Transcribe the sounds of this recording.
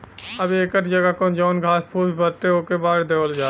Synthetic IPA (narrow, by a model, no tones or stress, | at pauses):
əbeːkəɾd͡ʒəɡakõnd͡ʒɔːnɡʱaːspʰuːbbəɾt̪eoːkebaːɽd̪eːʋəld͡ʒaː